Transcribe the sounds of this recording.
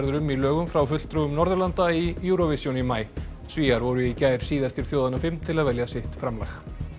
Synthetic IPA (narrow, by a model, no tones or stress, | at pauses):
ɾðʏɾʏmːilœːɣʏmfɾawfʏt̪l̥t̪ɾʏʏmnɔɾðʏɾlant̪aijuɾɔvɪsjunimaːj | sviːaɾvɔɾʏicaːjɾ̥siːðast̪ɪɾ̥θjoːwðanːafɪmt̪ʰɪlaðvɛljasɪht̪fɾamlajx